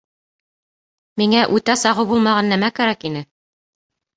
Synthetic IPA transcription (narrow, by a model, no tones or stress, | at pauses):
miŋæʔʉt̪æsɑʁɤwbulˠmɑʁɑnːæmækæɾækinɘ